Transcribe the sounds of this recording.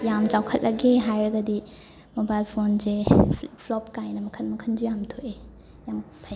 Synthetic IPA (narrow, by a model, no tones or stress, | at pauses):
jamt͡ʃawkʰɐt̚lʔɐɡeɦajɾɐɡɐdi | mobajlpʰonzepʰlɔp̚kajnɐmɐkʰɐnmɐkʰɐnd͡ʒujamtʰoʔe | jam | pʰaj